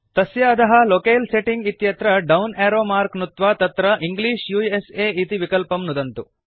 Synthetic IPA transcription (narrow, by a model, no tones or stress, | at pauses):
t̪ɐsjaːd̪ɐɦɐlokeːlseʈiŋɡit̪jɐt̪ɾɐɖɐwneːɾoːmaːɾknut̪ʋat̪ɐt̪ɾɐʔiŋɡliːʃjuːeseːit̪iʋikɐlpɐmnud̪ɐnt̪u